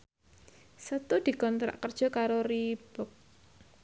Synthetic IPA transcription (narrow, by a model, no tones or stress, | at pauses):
sət̪ud̪̥i̤kɔnt̪ɾa̰ʔkərd̥ʒ̥ɔ̤kaɾoɾib̥ɔk̚